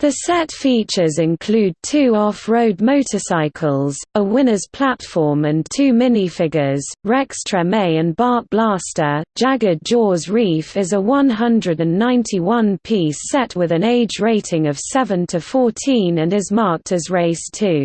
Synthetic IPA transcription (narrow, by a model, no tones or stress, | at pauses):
ðəsɛtfiˑt͡ʃəzɪ̃nkʰl̥ʉːd̚tʰʉːɒfɹəʊd̚məʊtʰəsaɪkʰəlˠzəwɪ̃nəz̥pʰl̥atfɔːmə̃ntʰʉːmɪnifɪɡəz̥ɹɛkstɹ̥əmeɪə̃nbɑˑk̚b̥lɑˑstə̥d͡ʒ̥aɡəd͡ʒɔːzɹiˑfɪzəwʌ̃nɦʌ̃ndɹədə̃nːãɪ̃ntʰiwʌ̃npʰiˑsɛtwɪðə̃neɪd͡ʒɹeɪtʰɪ̃ŋəv̥sɛvə̃ntʰəfɔˑtʰĩnə̃nɪzmɑˑk̚tʰəzɹeɪstʰʉː